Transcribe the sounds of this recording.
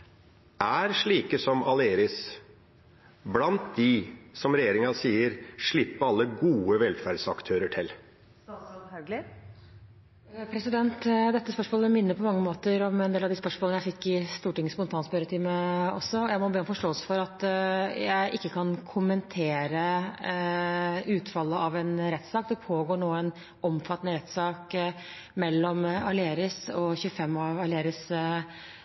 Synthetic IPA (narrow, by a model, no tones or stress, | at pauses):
ʔæɾʂɭiːkəsɔmɑleːɾɪs | blɑnt̪̚d̪ɪsɔmɾɛjeːɾɪŋɑsiːəɾʂɭɪpːəɑlːəɡuːəʋɛlfæɖsɑkt̪ʰøːɾəʈʰɪl | hɡl | pʰɾɛsɪd̪ɛnt̪d̪ɛt̪ːəspœʂmoːləmɪnːəpʰɔmɑŋːəmoːt̪əɾɔmɛneːlɑʋd̪ɪːspœʂmoːlənəjæɪfɪkːɪst̪uːʈɪŋəspɔnt̪ʰɑːnspœɾət̪ʰɪməɔ̰sːɔɔjæɪmɔbeːɔnfɔʂʈoːəlsə̥fɔɾɑt̪jæɪʔɪkːəkʰɑnkʰʊmənt̪ʰeːɾə | ʉːt̪fɑlːəɑʋɛnɾɛt̪ːsɑːkd̪ɛpʰoːɡoːɳoːæɪn | ɔmfɑt̪ːnəɾɛt̪ːsɑːk | mɛlːɔmɑlɪeːɾɪsɔçʉəfɛmːɑʋɑlɪeːɾɪs